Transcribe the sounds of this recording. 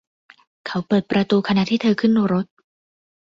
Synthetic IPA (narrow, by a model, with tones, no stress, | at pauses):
kʰa˦˥wpɤː˨˩t̪̚pɾa˧t̪uː˧kʰa˧na˧˥ʔt̪ʰiː˥˩t̪ʰɤː˧kʰɯ˥˩nːuː˧ɾo˦˥t̪̚